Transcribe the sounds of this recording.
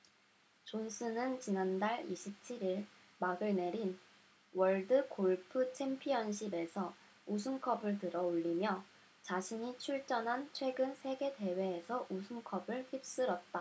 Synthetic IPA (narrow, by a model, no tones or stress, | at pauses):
t͡ɕonsʰɯnɯnt͡ɕinandaɭiɕʰip̚t͡ɕʰiɾiɭ | maɡɯɭne̞ɾin | wʌɭdɯkʰoɭpʰɯt͡ɕʰe̞mpʰiʌnɕʰibe̞sʰʌ | us̬ʰumkʰʌbɯɭtɯɾʌoʎːimjʌ | t͡ɕaɕʰiɲit͡ɕʰuɭt͡ɕ͈ʌnɦant͡ɕʰwe̞ɡɯnsʰe̞ɡe̞te̞we̞ːsʰʌʔusʰumkʰʌbɯɭçip̚s͈ɯɾʌt̚t͈a